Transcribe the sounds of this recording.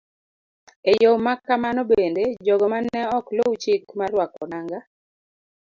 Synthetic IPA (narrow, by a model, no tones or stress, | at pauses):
ejomakːamanobended͡ʒɔɡɔmanɛɔklowt͡ʃikmarwakɔnaŋɡa